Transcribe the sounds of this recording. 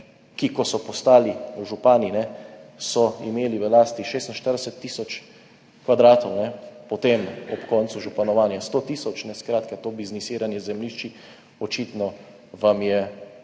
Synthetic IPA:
kikɔsɔpɔst̪aːliʒupaːninɛsɔimeːliʋəlaːst̪iʃeːst̪nʃt̪əɾd̪ɛsɛt̪ːiːsɔt͡ʃ | kʋad̪ɾaːt̪ɔwnɛpɔt̪eːmɔpkɔːnt̪suʒupanɔʋaːnjast̪ot̪iːsɔt͡ʃnɛskɾaːt̪kat̪oːbiznisiːɾanjɛzɛmliʃt͡ʃi | ɔt͡ʃit̪nɔ | ʋamjɛ

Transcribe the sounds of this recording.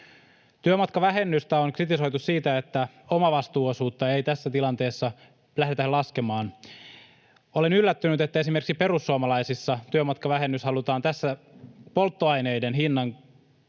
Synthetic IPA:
t̪yømɑt̪kɑʋæɦe̞nːyst̪æoŋkrit̪iso̞jt̪ussiːt̪æe̞t̪ːæ | omɑʋɑst̪uːosuːt̪ːɑe̞jt̪æsːæt̪ilɑnt̪e̞ːsːɑ | læhdet̪ælɑske̞mɑːn | o̞le̞nylːæt̪ːynyt̪e̞t̪ːæe̞s̬imerksipe̞ɾusːuomɑlɑjsisːɑt̪yømɑt̪kɑʋæɦe̞nːyshɑlut̪ɑːnt̪æsːæpo̞lt̪ːoɑjne̞jdenɦinːɑŋ

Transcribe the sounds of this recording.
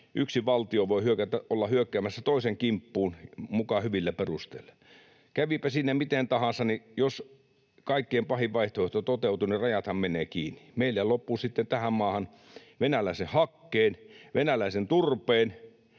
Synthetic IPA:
ʔyksiʋɑlt̪ioʋoihyøkæt̪æʔolːɑhyøkːæːmæsːæt̪oˑiseŋkimpːuːnmukɑhyʋilːæperust̪ḛilːɑ̥ | kæʋipæsiːnːæmit̪ent̪ɑhɑnsːɑnijos | kɑikːieːmpɑhiʋʋɑiht̪oeht̪ot̪ot̪eut̪unirɑjɑt̪hɑmmeneːkiːnːi̥meilːæjɑlopːusit̪ːent̪æhæmmɑːhɑn | ʋenælæˑisehɑkːeːnʋenælæisent̪urpeːn

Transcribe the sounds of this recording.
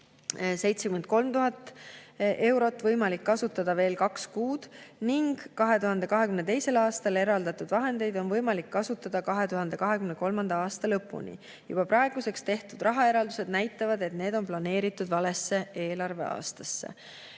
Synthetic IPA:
se̞jt̪se̞kymed̪̥̚ko̞lmt̪uɦɑt̪ˑːʔe̞wɾo̞t̪ːˑvɤjmɑlikːɑsut̪ːˑɑd̪̥ɑve̞ːlkɑkskuːd̪̥niŋɡ̥kɑɦe̞t̪uɦɑnd̪̥e̞kɑɦe̞kymne̞t̪e̞jse̞lɑːst̪ɑle̞ɾɑld̪̥ɑt̪ːˑud̪vɑɦe̞nd̪̥e̞jd̪o̞nvɤjmɑlikːɑsut̪ːˑɑd̪̥ɑkɑɦe̞t̪uɦɑnd̪̥e̞kɑɦe̞kymneko̞lmɑnd̪ɑɑːst̪ɑlɤpːˑṵnḭ | jṵb̥ɑpɾɑeɡ̥use̞kst̪e̞ht̪ud̪̥rʔɑɦɑe̞ɾɑld̪use̞d̪̥næjt̪ːˑɑvɑd̪e̞t̪ne̞ːd̪̥o̞nplɑne̞ːɾit̪ːˑud̪vɑle̞sːe̞e̞ːlɑrve̞̰ɑ̰ːst̪ɑsːe̞̰

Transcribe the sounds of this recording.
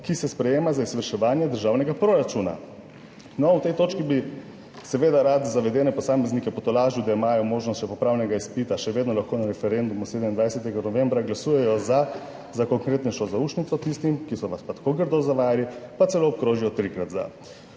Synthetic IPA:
kisɛspɾɛjeːmazaizʋəɾʃɛʋaːnjɛd̪əɾʒaːwnɛɡapɾoɾat͡ʃuːna̰ | nɔut̪ɛjt̪oːt͡ʃkibi | sɛʋeːd̪aɾat̪zaʋɛd̪ɛːnɛpɔsaːmɛznikɛpɔt̪ɔlaːʒud̪aimaːjɔmoːʒnɔst̪ʃɛpɔpɾaːwnɛɡaispit̪aʃɛʋeːd̪nɔlaxkoːnaɾɛfɛɾend̪umuseːd̪ɛmind̪ʋajsɛt̪ɛɡanɔʋembɾaɡlasuːjɛjɔza | zakɔŋkɾeːt̪nɛʃɔzauʃnit̪sɔt̪ist̪imkisɔʋaspat̪ḁkoɡəɾd̪ozaʋajalipat̪ɛloːɔp̚kɾoːʒiɔt̪ɾikɾat̪za̰

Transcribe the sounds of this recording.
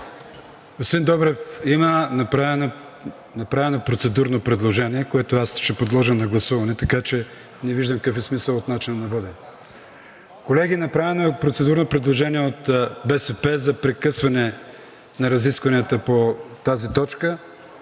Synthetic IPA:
osvind̪ɔbɾɛfimənɐpɾan | nɐpɾavɛnopɾot̪sɛd̪uɾnopɾɛd̪lˠoʒɛniɛkoɛt̪oasʃɛpod̪lˠɔʒənɐɡlˠɐsuvɐnɛt̪ɐkat͡ʃɛ | nɛviʒd̪əmkəfɛsmisəlˠot̪nat͡ʃinɐnɐbɤd̪ɛ | kolɛɡ̟ʲinɐpɾavɛnoɛpɾot̪sɛd̪uɾnopɾɛd̪lˠoʒɛniɛot̪bɛsɛpɛzɐpɾɛkɤsvɐnɛ | nɐɾɐziskvɐniət̪əpot̪azit̪ɔt͡ʃkə

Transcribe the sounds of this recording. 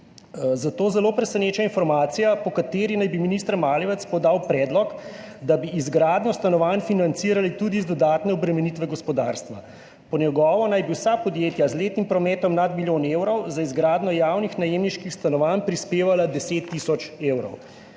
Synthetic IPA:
zat̪oːzɛloːpɾɛsɛneːt͡ʃainfɔɾmaːt̪sijapɔkat̪eːɾinajbiminist̪ɾmaːliʋɛt̪spɔd̪aːwpɾɛːd̪lɔk | d̪abiːzɡɾaːd̪nɔst̪anɔʋanfinant̪siːɾalit̪ud̪izd̪ɔd̪aːt̪nɛɔbɾɛmɛnit̪ʋɛɡɔspɔd̪a̰ːɾst̪ʋa | pɔnjɛɡɔːʋɔnajbiwsapɔd̪jeːt̪jazleːt̪nimpɾɔmɛːt̪ɔmnad̪miljoːneːwɾɔwzaizɡɾaːd̪nɔjaːwnixnajeːmniʃkixst̪anɔʋanpɾispeːʋalad̪ɛseːt̪ːisɔt͡ʃeːwɾɔ̰w

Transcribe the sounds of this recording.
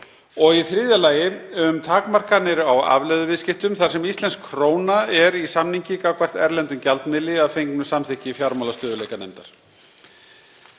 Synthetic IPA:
ɔɣiθɾiːðjalaːjɪʏmt̪ʰaːkmar̥kanɪɾawa̰vlɛðʏvɪðscɪft̪ʏmθḁsɛmist̪lɛnskʰːɾoːwnaɛɾisamniɲcɪkakvar̥t̪ɛɾlɛnt̪ʏmcalt̪mɪlɪaðfejŋknʏsamθɪhcɪfjaɾmawlast̪œːðʏlejkanɛ̰jmt̪aɾ̥

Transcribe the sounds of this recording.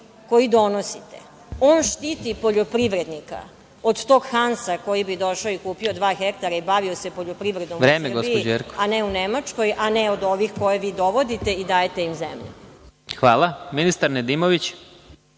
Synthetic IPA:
ko̞jid̪o̞nosit̪e̥̰ | oːnʃt̪it̪ipo̞ʎo̞pɾiʋɾe̞d̪nika̰ | od̪t̪o̞ːɡxansako̞jibid̪o̞ʃaoikuːpio̞d̪ʋaːxekt̪aɾaibaʋio̞se̞po̞ʎo̞pɾiʋɾe̞d̪nomʋɾeːsmerɡosipd͡ʑeɾko̥aneunemat͡ʃko̞jʔaneod̪o̞ʋixko̞jeʋiːd̪o̞ʋo̞d̪it̪e̞id̪aːjet̪e̞imzḛmʎṵ | xʋaːlˠaminist̪aɾned̪imoʋit͡ɕ

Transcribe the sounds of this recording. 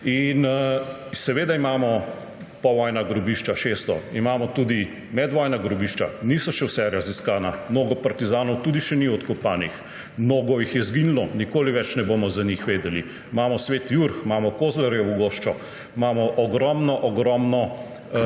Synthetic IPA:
in | sɛʋeːd̪aimamɔ | pɔʋɔjnaɡɾɔbiːʃt͡ʃaʃest̪ɔ̰imaːmɔt̪uːd̪i | mɛd̪ʋɔjnaɡɾɔbiʃt͡ʃa̰nisɔʃɛwsɛɾaziskaːnamnoːɡɔpaɾt̪izaːnɔwt̪uːd̪iʃɛniɔt̪kɔpaːnix | mnoːɡɔjixjɛzɡinilɔnikoːliʋɛt͡ʃnɛboːmɔzanixʋeːd̪ɛlḭ | maːmɔsʋeːt̪juɾxmamɔkoːzlɛɾjɔuɡoʃt͡ʃɔ | imamɔʔɔɡɾɔmnɔʔɔɡɾɔmnɔ

